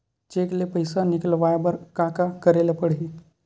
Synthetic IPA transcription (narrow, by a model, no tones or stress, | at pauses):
t͡ʃeːklepəɪsanɪkəlʋaːjbɐɾkaːkakəɾeːlapəɽ̤i